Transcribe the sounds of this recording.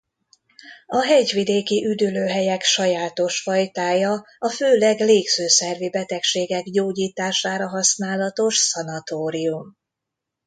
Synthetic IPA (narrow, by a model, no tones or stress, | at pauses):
ɒɦɛɟvid̪eːkiʔyd̪yløːɦɛjɛkʃɒjaːt̪o̞ʃfɒjt̪aːjɒ | ɒføːlɛɡleːɡz̥øːsɛrvibɛt̪ɛkʃeːɡɛɡɟoːɟiːt̪aːʃaːɾɒɦɒsnaːlɒt̪o̞ʃsɒnɒt̪oːɾium